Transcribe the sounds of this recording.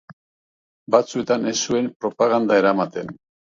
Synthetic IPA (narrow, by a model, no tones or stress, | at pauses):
bat͡sue̞t̪ane̞sːue̞mpɾo̞paɣand̪aeɾamat̪e̞n